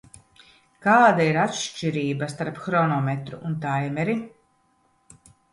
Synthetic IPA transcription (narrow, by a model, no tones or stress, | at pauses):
kaːd̪aiɾat̪ʃt͡ʃiɾiːbast̪aɾpxɾɔnɔmɛt̪ɾuʔunt̪ajmɛɾi